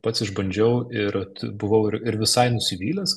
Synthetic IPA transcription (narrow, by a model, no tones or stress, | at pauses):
pɐt̪sʲɪʒbɐnʲd͡ʒʲɛʊɪɾt̪bʊʋɐʊɪɾɪɾʋʲɪsɐɪnʊsʲɪʋʲiːlʲɛs